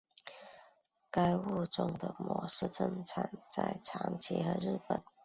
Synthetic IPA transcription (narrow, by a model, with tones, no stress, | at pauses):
ka˥ɪu˥˧ʈ͡ʂʊ˥˧ŋd̪ə˨˩mwɔ˧˥ʂɻ̩˥˧ʈ͡ʂə˥˧ŋt͡sʰa˨˩nt͡sa˥˩ɪʈ͡ʂʰɑ˧˥ŋt͡ɕʰi˧˥xɤ˧˥ɻ̩˥˩pə˨˩˦n